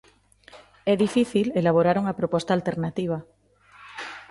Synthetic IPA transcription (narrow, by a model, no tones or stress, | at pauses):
ɛðifiθilelaβ̞oɾaɾuŋapɾopost̪aːlt̪e̞ɾnat̪iβ̞a